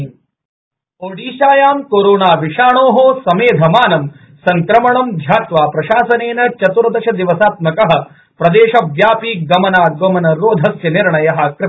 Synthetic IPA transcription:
oːɽiːʃaːjaːmkoːɾoːnaːʋiʂaːɳoːɦoːsɐmeːd̪ʱɐmaːnɐm | sɐŋkɾɐmɐɳɐmd̪ʱjaːt̪ʋaːpɾɐʃaːsɐneːnɐt͡ʃɐt̪uɾɐd̪ɐʃɐd̪iʋɐsaːt̪mɐkɐɦɐ̆ | pɾɐd̪eːʃɐʋjaːpiːɡɐmɐnaːɡɐmɐnɐɾoːd̪ʱɐsjɐniɾɳɐjɐɦɐ̆kɾɪ

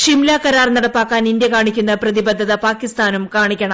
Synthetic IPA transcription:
ʂimlaːkɐɾaːrnɐɽɐpːaːkːaːnind̪jɐkaːɳikʲːunːɐprɐðibɐd̪ʱːɐðɐpaːkːist̪aːnumkaːɳikʲːɐɳɐ

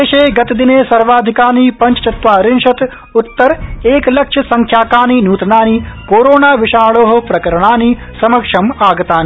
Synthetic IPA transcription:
eːʃeːɡɐt̪d̪ineːsɐɾʋaːd̪ʱikaːniːpɐ̃ɲt͡ʃɐ̥t͡ʃɐt̪ʋaːɾɪnʃɐt̪ | ʊt̪ːɐɾeːklɐkʂɐsɐ̃ŋkʰjaːkaːniːnuːt̪ɐnaːnikoːɾoːnaːʋɪʃaːɭoːɦɐ̆pɾɐkɐɾɐɽ̃aːni | sɐmɐkʂɐmaːɡɐt̪aːni

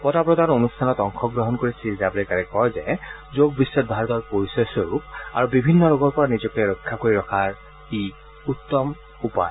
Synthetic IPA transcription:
pɔtapɹɔd̪anonustʰanɔtɔŋkʰɔɡɹɔɦɔnkoɹisilzabolɛkaɹɛkɔjzɛzoɡ̚bisːɔt̚bʱaɹɔt̪ɔɹpoɹisɔsɔɹupa̰ɹubibʱinːɔɹoɡɔɹpɔɹanizɔkɛɹɔkʰːakoɹiɹɔkʰaɹ | i | ut̪ːɔm | upa̰j

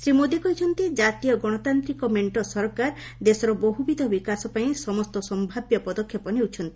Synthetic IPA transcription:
sɾimod̪ikɔɦit͡ʃʰɔnt̪id͡ʒat̪ijɔɡɔɽ̃ɔt̪ant̪ɾikɔmeɳʈɔsɔɾɔkaɾ | d̪esɔɾɔboɦubid̪ʱɔbikasɔpaĩsɔmɔst̪ɔsɔmbʱabjɔpɔd̪ɔkʰːjɔpɔniut͡ʃʰɔnt̪i̥

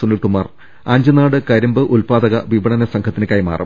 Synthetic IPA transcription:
unːiʈumːɐr | ɐɲd͡ʑɨnaːɽɨkɐɾɐmbɨʔulpaːd̪ɐɣɐʋiʋɐɳɐnɐsɐŋkʰɐt̪ːinɨkaːjima̰ːrʔɐ̰

